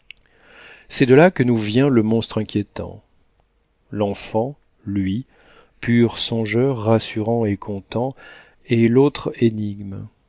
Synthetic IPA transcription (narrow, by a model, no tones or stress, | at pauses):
sɛd̪əlakənuvjɛ̃ləmɔ̃st̪χɛ̃kʲjet̪ɑ̰̃ | lɑ̃fɑ̃ | lɥi | pʰyʁsɔ̃ʒœʁːasyʁɑ̃ekʰɔ̃t̪ɑ̃ | elot̪χeniɡm